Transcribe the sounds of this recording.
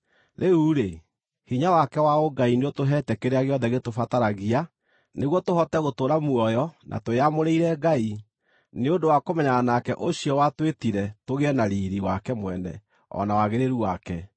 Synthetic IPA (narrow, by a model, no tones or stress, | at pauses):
ɾʔeuːɾe | hiɲawakɛwaoɡaineotoɦɛːtɛkeɾeaɣeɔðɛɣetofataɾaɣia | neɣwɔtohɔtɛɣotoːɾamuɔjɔnʔa̰toeamoɾeiɾɛɡai | neodowakomɛɲaanakɛʔoɕiɔwatwetiɾɛtoɣeɛnaɾiɾiwakɛmwɛnɛ̰ | ɔ̰nawaɣeɾeɾuwakɛ